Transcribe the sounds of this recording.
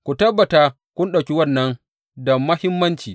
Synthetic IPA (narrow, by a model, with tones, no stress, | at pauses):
kʷu˨tɐ˦bːɐ˨taː˦ | kʷʊ˦nɗɐ˨kʲi˦wɐ˦˨nːɐ˦n | dɐ˨mmːɐ˦hɪ˦mːɐ˦nt͡ʃiː˨